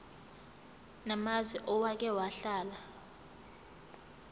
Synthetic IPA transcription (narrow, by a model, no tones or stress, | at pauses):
namazwiʔɔwak̬ɛwaɬaːla